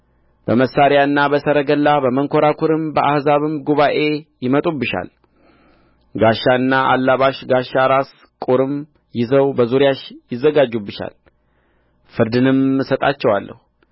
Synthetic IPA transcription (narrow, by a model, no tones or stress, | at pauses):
b̥əməsːaɾjaɨnːabəsəɾəɡəlːabəməŋkʰo̞ɾakʰuɾɨmbəʔahzaβɨmɡuβaʔe̞jɪmət̪ʼubːɨʃa̰l | ɡaʃːaɨnːaʔa̰lːaβaʃɡaʃːaɾas | kʼuɾɨm | jɪzəwbəzuɾjaʃjɪzːəɡad͡ʒːubɨʃa̰l | fɨɾd̪ɨnɨmɨsət̪ʼa̰t͡ʃːɛwalːə̰hu